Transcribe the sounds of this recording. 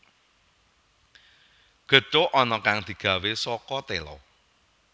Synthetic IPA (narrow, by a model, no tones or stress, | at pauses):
ɡ̥ə̤toʔɔnɔkaŋd̪̥i̤ɡ̥ä̤wesɔkɔt̪elɔ̰